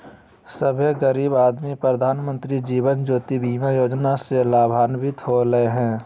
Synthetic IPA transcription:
səbʱeɡəɾiːbaːd̪mipɾəd̪ʱaːnmə̃nt̪ɾid͡ʒiːʋənd͡ʒoːt̪ibiːmajoːd͡ʒnaselaːbʱaːnbʱɪt̪ɦoɾəeɦɛ̃ː

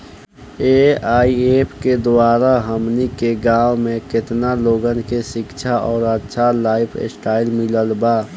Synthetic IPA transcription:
eaːieːpʰked̪waːɾaɦəmnikeɡaːwmẽkɪt̪naloːɡənkeʃɪkt͡ʃʰaʔɔːɾətːʃʰalaːɪpʰsʈaːɪlmɪləlbaː

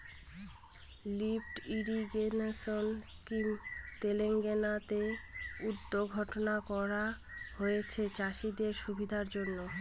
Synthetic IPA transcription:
lifʈiɖiɡenesonskimt̪eleŋɡenat̪eud̪ːoɡʱɔʈonakɔɾa | hojet͡ɕʰet͡ɕaʃid̪eɾʃubʱid̪ʱaɾd͡ʑonːo

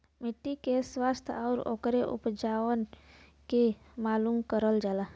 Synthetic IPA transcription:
mɪʈːikeswaːst̪ʰɔːɾo̰ːkɾeʔʊ̰pd͡ʒaːwənke | maːlumkəɾəld͡ʒaːla

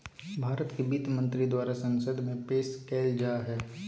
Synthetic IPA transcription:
bʱaːɾət̪kebiːt̪mə̃nt̪ɾid̪waːɾasɐ̃nsəd̪ʱmẽpeːskeːld͡ʒaːɦɛː

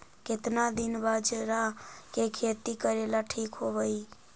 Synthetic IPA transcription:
ket̪nad̪inbad͡ʒeɾakekʰet̪ikəɾelaʈʰikɦobəj

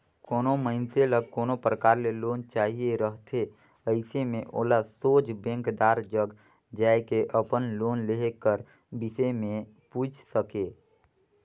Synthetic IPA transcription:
koːnoməɪnt̪eləɡ̚koːnopɾəkaːɾleloːnt͡ʃaːɦieɾəɦt̪ʰe | əɪsemẽʔoːlasoːt͡ʃʰbɛ̃ːŋkd̪aːɾd͡ʒəɡ | d͡ʒaekeʔəpənloːnleɦkəɾ | bɪsəmẽ | puːt͡ʃʰsəkeː

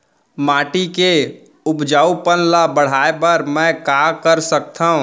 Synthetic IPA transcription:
maːʈike | ʊpd͡ʒaːupənlabəɽ̤aːepəɾmɛ̃kakəɾsək̚t̪aːɦũ

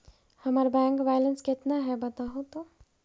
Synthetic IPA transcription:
həməɾbɛ̃ŋkbajlənsket̪naɦɛbət̪aɦũt̪o

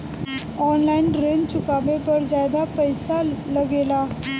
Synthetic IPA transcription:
ɔnlainɾeɲt͡ɕukabepəɽd͡ʑad̪apəjsaləɡela

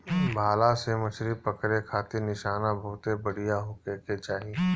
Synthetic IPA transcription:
bʱaːlasemɐt͡ʃʰɾipɐkɾekʰaːt̪ɪnɪʃaːnabʱoːt̪ebɐɽ̤ijaɦokeket͡ʃaːɦi

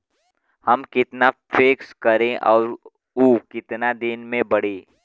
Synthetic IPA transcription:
hɐmkɪt̪nafʰeːkskɐɾẽʔɔːɾ | uːkɪt̪nad̪ɪnmẽbɐɽ̤eː

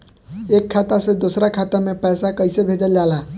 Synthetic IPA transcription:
ekʰːat̪asẽd̪osɾakʰat̪amepəjsakəɪsebʱed͡ʒəld͡ʒala

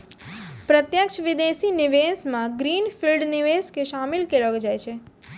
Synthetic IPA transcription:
pɾət̪jəkʃʋid̪eʃiniʋesmãɡɾinfilɖniʋeskeʃamilkeɾəɡd͡ʒajt͡ʃʰe

